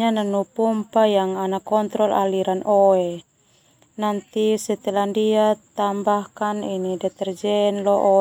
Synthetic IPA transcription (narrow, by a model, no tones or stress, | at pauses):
ananupɔmpajaŋanakɔnt̪ɾɔlʔa̰liɾanɔɛ | nant̪isɛt̪ɛlandiat̪ambahkaninidɛt̪ɛrd͡ʒɛnlɔʔɔ